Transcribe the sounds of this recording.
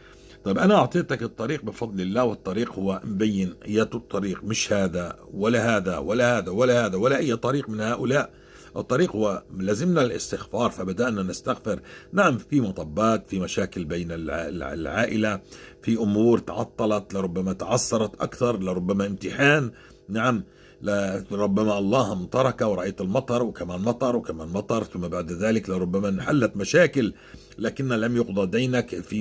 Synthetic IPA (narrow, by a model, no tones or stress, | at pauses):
t̪ˤɑjbʔanaʔɑʕt̪ˤeːt̪ɑkɨt̪ˤːɑɾiːq̚bɪfɑd̪ˤlɪlːaːwɨt̪ˤːɑɾiːqhʊwːambajːɪnʔɪjːaːt̪ɨt̪ˤːɑɾiːqmɪʃhaːd̪awalːaɦaːðawalːahaːðawalːahaːðawalːaʔajːat̪ˤːɑɾiːqmɪnhaːʔʊlaːʔ | ʔɨt̪ˤːɑɾiːqhʊwːalaːzɪmnalʔɪ̰st̪ɪxfɑːɾˤfabad̪aʔnanɪst̪axfɪɾnaʕamfimɑt̪ˤɑbːɑːt̪fimaʃaːkɪlbeːnɪllʕaːʔɪlafiʔʊmuːɾt̪ɑʕɑ̰t̪ˤːɑlɑt̪lɪɾˤʊbːamat̪ɑʕɑsːɑɾˤɑt̪ʔa̰kθɑɾˤlɪɾˤʊbːamaʔɪmt̪ɪħaːnː | aʕam | laɾˤʊbːamaʔɑlˤːɑːhmt̪ˤɑɾˤɑkawɾˤɑʔajt̪ɪlmɑt̪ˤɑɾˤwɪkamaːnmɑt̪ˤɑɾˤwɪkamaːnmɑt̪ˤɑɾˤθʊmːabaʕd̪ðaːlɪklɪɾˤʊbːamanħalːat̪maʃaːkɪl | laːkɪnːalamjʊqd̪ˤɑd̪iːnakfi